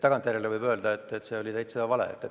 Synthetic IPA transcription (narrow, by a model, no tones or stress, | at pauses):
t̪ɑɡ̥ɑnt̪jæɾelevɤjbø̞ːld̪̥ɑet̪ːˑet̪ːse̞o̞lʲit̪ejt̪se̥ɑvɑlḛḛt̪ːˑe